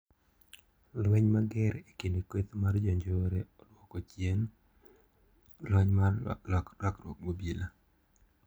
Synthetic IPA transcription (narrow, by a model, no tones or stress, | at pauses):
lwɛɲmaɡɛɾekindikwet̪mard͡ʒɔɲd͡ʒoɾeɔdwɔkɔt͡ʃjɛn | lwɛɲmalkɾaklwɔk̚mobila